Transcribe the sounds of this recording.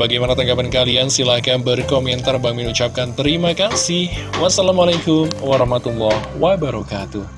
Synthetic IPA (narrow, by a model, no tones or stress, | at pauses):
baɡajmanat̪aŋɡapankaliansilahkanbərkomɛnt̪arbaŋminut͡ʃap̚kant̪əɾimakasɪhwasalamalakʊmwaɾɔhmat̪ulːɔhwabaɾɔkat̪uh